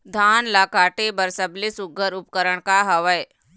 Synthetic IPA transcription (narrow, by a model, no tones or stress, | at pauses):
d̪ʱaːnlakaːʈebəɾsəblisuɡʱəɾupkəɾəɳkaɦɐʋəj